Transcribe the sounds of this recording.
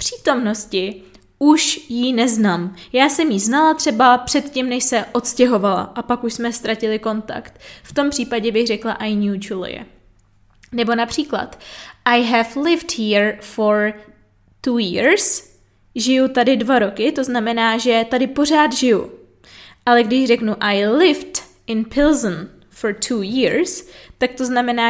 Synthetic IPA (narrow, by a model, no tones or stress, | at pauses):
pr̝̥iːt̪o̞mno̞scɪ | ʔuʃjinɛznaːmjaːsɛmjiznalat̪r̝̥ɛbapr̥ɛt̪cimnɛʃsɛʔo̞t̪scɛɦo̞vala̰ʔapakuʃsmɛst̪ɾacɪlɪko̞nt̪a̰kt̪ft̪o̞mpr̝̥iːpaɟɛbɪɣrɛklaʔajɲut͡ʃul̰jɛ̰ | nɛbo̞napr̥iːkla̰t̪ʔajɦɛflɪfthiːɾfoɾ | t̪uːjɪːɾs | ʒɪjut̪adɪdvaɾo̞kɪt̪o̞znamɛnaːʒɛt̪adɪpo̞r̝aːd̪ʒɪjṵ | ʔalɛɡdɪʒrɛknuʔajlɪft | ɪnpʰɪlzn | foɾt̪ʰuːjɪːɾst̪ak̚t̪o̞znamɛnaː